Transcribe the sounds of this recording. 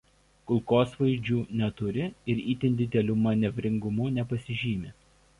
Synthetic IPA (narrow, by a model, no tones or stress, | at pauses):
kʊlˠkoːsʋɐɪd͡ʒʲuːnʲɛt̪ʊɾʲɪɪɾiːt̪ʲɪnd̪ʲɪd̪ʲɛlʲuːmɐnʲɛʋʲɾʲɪŋɡʊmʊnʲɛpɐsʲɪʒʲiːmʲɪ